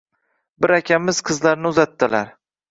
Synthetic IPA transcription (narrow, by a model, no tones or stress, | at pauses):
bɪɾakʲamɪz̥qʰɨzlaɾnɪʊzat̪ːɪlaɾ